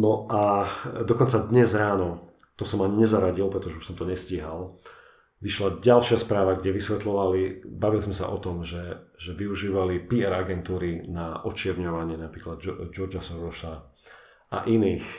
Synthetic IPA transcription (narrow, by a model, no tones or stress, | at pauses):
nɔʔad̪ɔkɔnt͡sad̪ɲɛzɾaːnɔ | t̪ɔsɔmaɲɛzaɾaɟilˠpɾɛt̪ɔʒɛuʃsɔmt̪ɔɲɛsciɦalˠ | ʋiʃlaɟalʃɪaspɾaːʋaɡɟɛʋisʋɛt̪lɔʋalibaʋilizmɛsa̰ʔɔt̪ɔmʒɛʒɛʋiuʒiːʋalipiɛɾaɡɛnt̪uːɾinaɔt͡ʃɪɛɾɲɔʋaɲɪɛnapɾiːklad̪d͡ʒɔɾd͡ʒasɔnɾɔsa | ʔa̰ʔiniːx